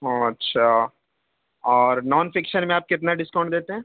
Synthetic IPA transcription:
ɦõːɐtːʃʰa | ɔːɾnɔːnfɪkʃənmẽaːp̚kɪt̪naɖɪskãʊ̃ɳɖd̪eːt̪eɦɛ̃ː

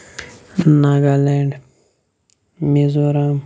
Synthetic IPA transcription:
naɡaleɳɖ | mizoɾam

